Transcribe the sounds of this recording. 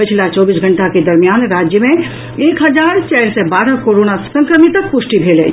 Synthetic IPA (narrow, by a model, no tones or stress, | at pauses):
pət͡ʃʰlat͡ʃɔːbiːsɡʱə̃ɳʈaked̪əɾmijaːnɾaːd͡ʒjəmẽ | eːkɦəd͡ʒaːɾt͡ʃɛːlsebaːɾəkoɾoːnasə̃ŋkɾəmit̪ək̚pʊsʈibʱeːlɛ̰